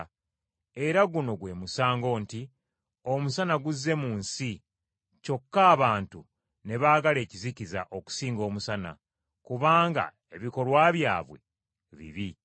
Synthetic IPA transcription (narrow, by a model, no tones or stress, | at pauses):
e̞ɾaɡuno̞ɡwe̞ːmusaːŋɡo̞ːnti | o̞musanaɡuzːe̞muːnsi | co̞kːaːβaːntu | ne̞βaːɡale̞ːciziciza̰ʔo̞ku̥siːŋɡo̞ːmusana̰ | kuβaːŋɡa̰ | e̞βiko̞lwaːβja̰ːβwe̞̰ | βḭβi